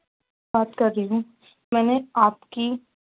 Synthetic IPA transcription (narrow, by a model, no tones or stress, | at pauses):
aːt̪kɐɾːiɦũ | mɛ̃ːneaːpki